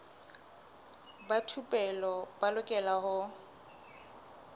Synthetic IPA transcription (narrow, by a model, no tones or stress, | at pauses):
batʰupʼɛlɔbalʊkʼɛlahʊ